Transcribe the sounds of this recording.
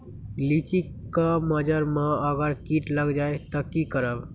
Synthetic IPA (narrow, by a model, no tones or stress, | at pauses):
lit͡ʃikːaməd͡ʒəɾmãəɡəɾkiʈləɡd͡ʒaet̪ɔkikəɾəb